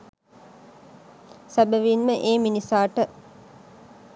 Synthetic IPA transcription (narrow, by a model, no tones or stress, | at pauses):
sæbəʋinməʔeːminisaːʈə